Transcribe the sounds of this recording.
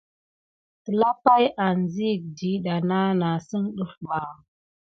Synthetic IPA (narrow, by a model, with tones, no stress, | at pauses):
tə˨la˦pa˦jʔa˨n˨zi˦˨k̚di˨˦ɗa˨na˦na˨sə˦ŋɗu˦fba˨